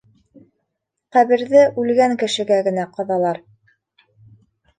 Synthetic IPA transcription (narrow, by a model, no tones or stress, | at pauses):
qæβɘ̆ɾðɘʔʉlɡæŋkɘ̆ʃɘ̆ɡæɡɘ̆næqɤ̆ðɑlˠɑɾ